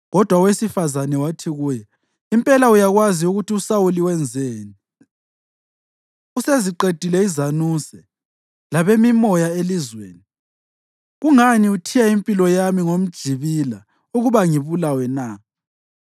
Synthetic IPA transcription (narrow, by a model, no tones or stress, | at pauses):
ɣɔd̥ʱwawesifazanɛwatʰiɣujɛ | impʼɛlaujaɣwaziuɣutʰiusawuliwɛnd͡zʱeːni | useziǃed̥ʱilɛizanusɛ | laβemimɔjaelizwḛːni | ɣuŋaniutʰijaimpʼilɔjamiŋom̩d̥ʒ̥ʱiβila̰ | uɣuβaŋiβulawɛna